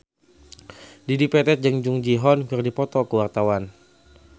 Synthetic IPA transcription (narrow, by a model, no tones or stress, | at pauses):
didipɛt̪ɛt̪̚d͡ʒəŋd͡ʒuŋd͡ʒiɦɔnkɨrdipɔt̪ɔkəwart̪awan